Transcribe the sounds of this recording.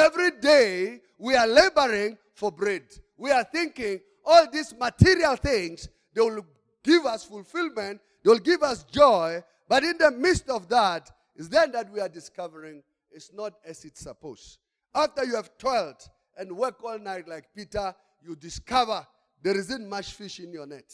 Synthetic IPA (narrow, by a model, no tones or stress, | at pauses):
ɛvɹideɪ | wiəleɪbə˞ɪ̃ŋ | fɔ˞bɹɛd | wiə˞θɪ̃ŋkɪ̃ŋ | ɔlˠðizmətʰɪɹiəlˠθɪ̃ŋz̥ | ðewɪlˠ | ɡ̥ɪvʌsfulˠfɪlˠmɨ̃nt̚ | ðewɪlˠɡɪvʌsd͡ʒɔɪ | b̥ʌɾɪ̃nðəmɪstɔvðət | zðɨ̃nðɨt̚wiə˞dɨskʌvəɹɪ̃ŋ | ɪtsnəɾɨzɨtsəpoʊs | æftə˞juæv̥tʰɔɪlˠt | ɨ̃nwɜ˞kɔlˠnaɪtˡlaɪk̚pitə˞ | jɨdɨskʰʌvə˞ | ðɛɹɪzɨ̃nmʌt͡ʃfɪʃɨ̃njə˞nɛt